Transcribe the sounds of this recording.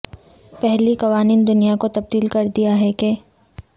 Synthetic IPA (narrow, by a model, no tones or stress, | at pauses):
pɛɦlikɐʋaːniːnd̪ʊnijakot̪ɐb̚d̪iːlkɐɾd̪ijaɦɛke